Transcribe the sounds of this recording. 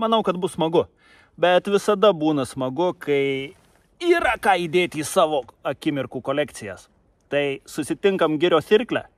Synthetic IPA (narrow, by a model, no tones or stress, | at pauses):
mɐnɐʊkɐt̪bʊssmɐɡʊ | bʲɛt̪ʋʲɪsɐd̪ɐbuːnɐsmɐɡʊkʰɐɪ | iːɾɐkɑːiːd̪ʲeːt̪ʲiːsɑːʋoːɐkʲɪmʲɪɾkuːkoːlʲæːkt̪sʲɪjɛs | t̪ɐɪsʊsʲɪt̪ʲɪŋkɐmɡʲɪɾʲoːsʲɪɾʲklʲæ̰ː